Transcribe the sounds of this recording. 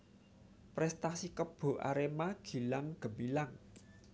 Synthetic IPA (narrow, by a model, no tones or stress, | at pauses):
pɾɛst̪asikəb̥o̤ʔa̰ɾemaɡ̥i̤laŋɡ̥ə̤milaŋ